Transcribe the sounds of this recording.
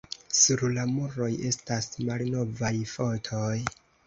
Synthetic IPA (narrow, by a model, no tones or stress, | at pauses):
suɾlamuɾo̞je̞stasmalno̞vajfo̞tʰo̞j